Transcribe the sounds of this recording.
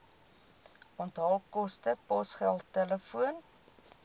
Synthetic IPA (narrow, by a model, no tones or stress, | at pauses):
ɔntɦɑlˠkɔstəpɔsχælˠtɛləfuən